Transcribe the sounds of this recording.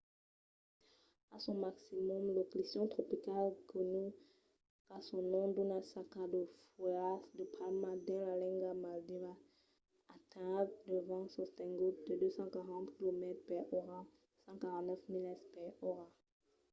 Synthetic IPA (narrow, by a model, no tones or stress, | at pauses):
asɔ̃maksimɔmloklisjɔ̃t̪χɔpikalkɔny | kasɔ̃nɔ̃d̪onasakad̪əfuasd̪əpʰalmad̪ɛ̃lalɛ̃ŋɡamald̪ivaː | t̪ʰɛ̃d̪əvɑ̃sɔ̃st̪ɛ̃ŋɡut̪̚d̪əd̪øsɑ̃kaʁɑ̃t̪kilomɛt̪χpɛɔʁa | sɑ̃kaʁɑ̃t̪nɛfmilɛspɛɔʁa